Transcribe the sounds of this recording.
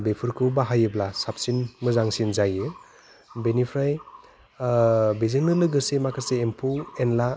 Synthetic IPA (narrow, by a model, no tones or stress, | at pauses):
bepʰɯɾkʰubaɦajɯblasap̚sinmɯzaŋsinzajɯ | benipʰɾaj | bizɯŋnɯlɯɡɯsemakʰaseːmpʰuenla